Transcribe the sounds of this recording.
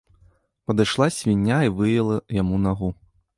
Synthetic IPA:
pɐd̪ɨjʂlˠasʲvʲinʲːaivɨjɛlˠɐjamunaɣu

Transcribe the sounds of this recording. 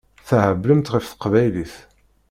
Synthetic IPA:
θæhəbləmt̪ʁifθə̥qvæjliθ

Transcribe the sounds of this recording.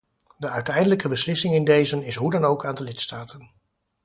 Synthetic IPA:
dəœɥtɛjndələkəbəslɪsɪŋɪndejzənɪsɦudɑnowkaːndəlɪtstaːtən

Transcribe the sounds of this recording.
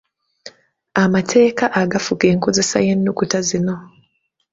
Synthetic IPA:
amatʰe̞ːkaʔaɡafuke̞ːŋko̞ze̞sa̰je̞nːukutazino̞

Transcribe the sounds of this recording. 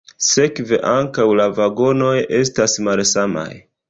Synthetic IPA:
se̞kve̞̰ʔaŋkawlavaɡo̞no̞je̞stasmalsama̰j

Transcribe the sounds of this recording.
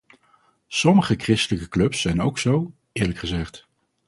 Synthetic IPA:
sɔməχəkrɪstələkəklɵpsɛjnowksow | ɪːɹləkχəzɛχt

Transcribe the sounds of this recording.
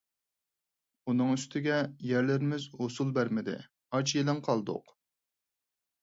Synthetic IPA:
unɨŋyst̪ʰɪɡʲɛjæɾlɪɾɪmɪzhosulˠbæɾmɪd̪ɪ̰ | ɑt͡ʃjelɪŋqʰɑlˠd̪ʊ̰q

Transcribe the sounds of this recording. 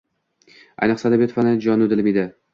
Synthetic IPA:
a̰jnɨχsad̪abjɒt̪fanɪd͡ʒɒnʊd̪ɪlɪmid̪ɪ

